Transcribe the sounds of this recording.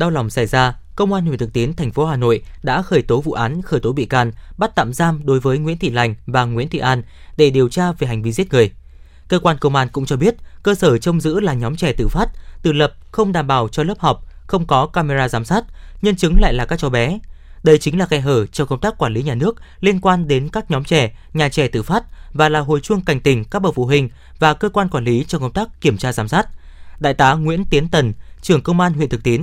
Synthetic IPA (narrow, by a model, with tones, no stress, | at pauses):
ɗa˧wla˨˩wŋ͡msa˧˩jzaː˧kə˧wŋ͡mʔaː˧nhi˧˩t̪ɨ˨˩k̚t̪i˨˦nt̪ʰɛ˨˩jŋ̟fo˨˦ɦaː˨˩no̰˧˨jɗa̰ː˧˥xəː˧˩jt̪o˨˦vṵ˧˨ʔaː˨˦nxəː˧˩jt̪o˨˦ɓḭ˧˨kaː˧˩nɓa˦˥t̚t̪a̰ː˧˨mzaː˧mɗo˨˦jvəː˨˦jŋwḭ˧˥ənt̪ʰḭ˧˨la˨˧˩jŋ̟vaː˨˩ŋwḭ˧˥ənt̪ʰḭ˧˨ʔaː˧n | ɗe˧˩ɗi˨˩əwt͡ɕaː˧ve˨˩ɦa˨˩jŋ̟vi˧zi˦˥t̚ŋɨ˨˩əj | kəː˧kwaː˧nkə˧wŋ͡mʔaː˧nkʊ̰˧˥ŋ͡mt͡ɕɔ˧ɓi˦˥ət̚kəː˧səː˧˩t͡ɕə˧wŋ͡mzɨ̰˧˥laː˨˩ɲɔ˨˦mt͡ɕɛ˧˩t̪ɨ̰˧˨faː˦˥t̚t̪ɨ̰˧˨lə˨˩p̚xə˧wŋ͡mɗaː˨˩mɓaː˧˩wt͡ɕɔ˧ləː˦˥p̚hɔ˨˩wk͡p̚xə˧wŋ͡mkɔ˨˦kaː˧me˧zaː˧zaː˨˦msaː˦˥t̚ɲə˧nt͡ɕɨ˨˦ŋla̰ː˧˨jlaː˨˩kaː˦˥k̚t͡ɕɔ˨˦ɓɛ˨˦ | ɗə˧jt͡ɕï˨˦ŋ̟laː˨˩xɛ˧ɦəː˧˩t͡ɕɔ˧ŋ͡mkə˧wŋ͡mt̪aː˦˥kːwaː˧˩nli˨˦ɲaː˨˩nɨ˦˥ək̚li˧ənkwaː˧nɗe˨˦nkaː˦˥k̚ɲɔ˨˦mt͡ɕɛ˧˩ɲaː˨˩t͡ɕɛ˧˩t̪ɨ̰˧˩faː˦˥t̚vaː˨˩laː˨˩ɦo̰˨˩jt͡ɕwɨ˧əŋka˨˩jŋ̟t̪ï˨˩ŋ̟ka˦˥k̚ɓə̰˧˩fṵ˧˩ɦï˨˩ŋ̟ | vaː˨˩kəː˧kwaː˧nkwaː˧˩nli˨˦t͡ɕɔ˧kə˧wŋ͡mt̪aː˦˥kːi˧˩əmt͡ɕaː˧zaː˨˦msaː˦˥t̚ɗa̰ː˧˨jt̪aː˨˦ŋwḭ˧˥ənt̪i˨˦ənt̪ə˨˩nt͡ɕɨ˨˩əŋkə˧wŋ͡mʔaː˧nɦḭ˧˨nt̪ʰɨ˨˩k̚t̪i˨˦ən